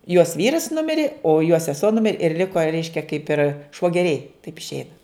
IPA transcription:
joːs ˈʋʲiːrɐs ˈnʊmʲɪrʲeː oː joː sʲɛˈsuɔ ˈnʊmʲɪrʲ ɪr ˈlʲɪkoː ˈrʲɛɪʃʲkʲɛ kɐɪp ɪr ʃʋoːˈɡʲæːrʲɛɪ tɐɪp ɪʃʲˈɛɪnɐ

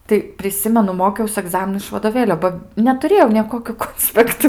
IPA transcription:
tɐɪ pʲrʲɪˈsʲɪmʲɛnʊ ˈmoːkʲɛʊs ɐˈɡzɑːmʲɪnʊ ɪʃ ʋɐdoːˈʋʲeːlʲoː ˈbɐ nʲɛtʊˈrʲeːjɛʊ nʲeː ˈkoːkʲuː ˈkoːnʲsʲpʲɛktʊ

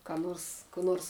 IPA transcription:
kɐ ˈnoːrs kuː ˈnoːrs

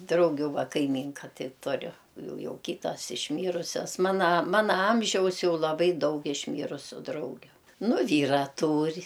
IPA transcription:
ˈdrɐʊɡʲʊ ˈʋɐ ˈkɐɪmʲˈiːŋkɐ ˈtɐɪ tʊˈrʲʊ ˈjɛʊ ˈjɛʊ ˈkʲiːtɐs ɪʃʲˈmʲiːrʊsʲɛs ˈmɑːnɐ ˈmɑːnɐ ˈɐmʲʒʲɛʊs ˈjɛʊ lˠɐˈbɐɪ ˈdɐʊk ɪʃʲˈmʲiːrʊsʲʊ ˈdrɐʊɡʲʊ ˈnʊ ˈʋʲiːrɐ ˈtuːrʲ

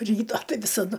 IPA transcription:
ˈrʲiːtɐ ˈtɐɪ ʋʲɪsɐˈdʊ

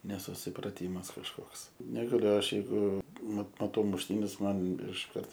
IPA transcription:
nʲɛsʊsʲɪprɐˈtʲiːmɐs kɐʃˈkoːks nʲɛɡɐˈlʲʊ ˈɐʃ jɛɪˈɡʊ mɐt mɐˈtɐʊ mʊʃʲˈtʲiːnʲɛs ˈmɐn ɪʃˈkɐrt

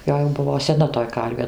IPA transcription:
ˈjoː jɛʊ ˈbʊʋoː sʲɛˈnɐ toːj ˈkɐrʲʋʲeː

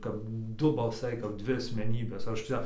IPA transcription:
kɐp ˈdʊ bɐlˠˈsɐɪ kɐp ˈdʲʋʲɪ ɐsʲmʲɛˈnʲiːbʲeːs ˈɐʃ ˈt͡ʃʲɛ

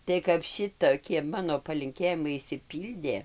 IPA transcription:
tɐɪ kɐp ˈʃʲɪtoːkʲiɛ ˈmɑːnoː pɐlʲɪŋʲˈkʲeːjɪmɐɪ ɪʃʲsʲɪˈpʲiːlʲdʲeː

